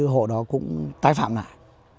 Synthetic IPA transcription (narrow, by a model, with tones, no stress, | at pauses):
ɨ˧ɦo̰˧˨ɗɔ˨˦kʊ̰˧˥ŋ͡mt̪aː˨˦jfa̰ː˧˨mna̰ː˧˨j